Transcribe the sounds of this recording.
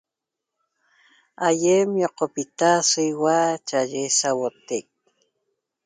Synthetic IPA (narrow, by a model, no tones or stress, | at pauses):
ajemjoqopit̪asiwat͡ʃaʒesawot̪ek̚